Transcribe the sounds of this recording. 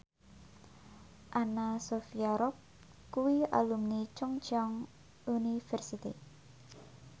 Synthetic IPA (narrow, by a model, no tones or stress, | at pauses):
ʔanasofiaɾɔp̚ | kuwia̰lumnit͡ʃɔŋt͡ʃɔŋ | unifɛrsit̪ḭ